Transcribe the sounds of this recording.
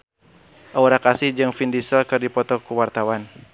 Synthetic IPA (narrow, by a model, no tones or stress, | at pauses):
ʔauɾakasihd͡ʒɨŋfindisəlkɨrdipɔt̪ɔkuwart̪awan